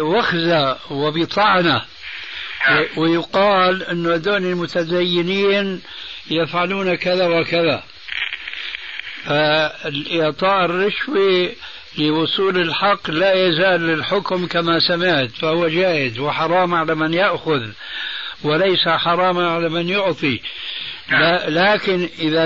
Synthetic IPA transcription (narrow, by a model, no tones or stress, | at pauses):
waxzawɪbɪt̪ˤɑʕna | wɪjʊqɑːlʔɪnːʊʔad̪oːnɪlmʊt̪azajːɪniːn | jɪfʕaluːnakaðawɪkaða | falʔɪʕt̪ˤɑːʔɪrːɑʃwi | lɪwʊsˤuːlɪlħɑqːlajazaːlːɪlħʊkmkamasamɪʕt̪fahʊwːad͡ʒaːʔɪd̪wɪħɑɾˤɑːmʕalamɪnjaʔxʊð | wɪlajsaħɑɾˤɑːmanʕalamɪnjʊʕt̪ˤi | lalaːkɪnʔɪða